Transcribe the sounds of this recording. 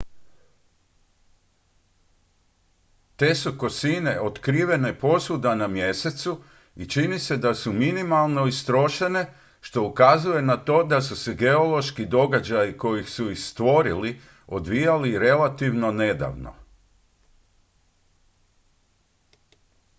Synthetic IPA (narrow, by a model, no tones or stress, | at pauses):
t̪e̞suko̞sine̞ʔo̞t̪kɾiːʋe̞ne̞po̞sud̪anamje̞se̞t̪su | it͡ʃinise̞d̪asuminimalˠno̞ist̪ɾo̞ʃene̞ | ʃt̪o̞ukazuje̞nat̪o̞ːd̪asuse̞ɡe̞o̞lo̞ʃkid̪o̞ɡad͡ʑajiko̞jixsuixst̪ʋo̞ɾili | o̞d̪ʋijaliɾe̞lat̪iʋno̞ne̞d̪a̰ʋno̞̰